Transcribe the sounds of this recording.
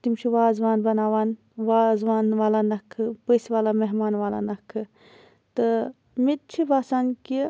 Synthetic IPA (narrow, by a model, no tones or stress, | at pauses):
t̪imt͡ʃʰiʋaːzʋaːnbɐnaːʋaːn | ʋaːzʋaːnʋaːlanɐkʰːɨpəsʋaːlameɦmaːnʋaːla̰nɐkʰːɨ | t̪ɨ | mit̪̚t͡ʃʰibaːsaːnki